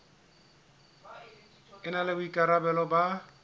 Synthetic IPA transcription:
ɪnalɪbʊikʼaɾabɛlɔba

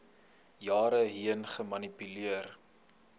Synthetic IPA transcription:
jɑːɾəɦiənχəmɐnipyliər

